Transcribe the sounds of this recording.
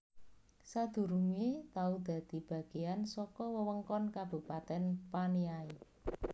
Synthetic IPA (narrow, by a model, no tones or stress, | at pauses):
sad̪̥ṳɾuŋet̪aud̪̥ä̤d̪̥i̤b̥ä̤ɡ̥e̤ansɔkɔwəwəŋkɔnkab̥ṳpat̪ɛnpaniai